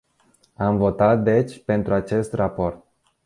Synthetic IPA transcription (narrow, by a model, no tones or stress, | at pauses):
amvo̞t̪at̪̚d̪e̞t͡ʃʲpe̞nt̪ɾuat͡ʃe̞st̪rapo̞rt̪̚